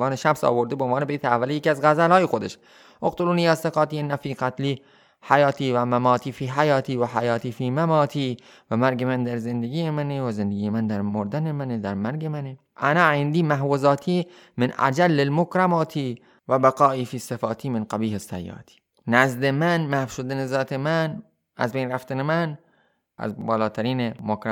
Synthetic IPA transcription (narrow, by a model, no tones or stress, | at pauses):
ɑːneʃæmsɒ̰ːboɾd̪ebeonɑːnebeeːt̪ʰeævːælejekiːæzɣæzælhɒːjexod̪eʃ | ʔoqt̪ʰoluːniːjæseqɑːt̪iːenːæfiːqæt̪liː | hajɑːt̪ʰiːvæmæmɑːt̪ʰiːfiːɦajɑːt̪ʰiːvæħajɑːt̪ʰiːfiːmæmɒːt̪ʰiː | væmæɾɡemænd̪æɾzend̪eɡʲiːjemænevæzend̪eɡiːemænd̪æɾmoɾd̪ænemæned̪æɾmæɾɡemæne | ʔænæend̪iːmæɦwozɑːt̪ʰiː | menʔæ̰d͡ʒælːelmokɾamɑːt̪ʰiː | væbæqɑːʔiːfiːsefɑːt̪ʰiːmenqæbiːhesːæjːɑ̰ːt̪ʰi̥ː | næzd̪emænmæhfʃod̪ænezɒːt̪ʰemæn | ʔæ̰zbejnɾæft̪ænemæn | ʔæ̰zbɒːlɑːt̪ʰæɾiːnemokɾa